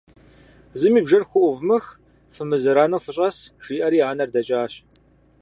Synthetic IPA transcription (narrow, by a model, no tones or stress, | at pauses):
zɨmiːbʒɐrxʷʊʔʷʊvmɨx | fɨmɨzɨɾaːnɐwfɨɕʼɐsʒ̥iːʔɐɾiːʕaːnɐrdɐt͡ʃʼaːɕ